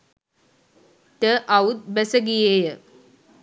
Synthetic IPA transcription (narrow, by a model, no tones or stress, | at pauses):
t̪əʔaut̪̚bæsəɡijejə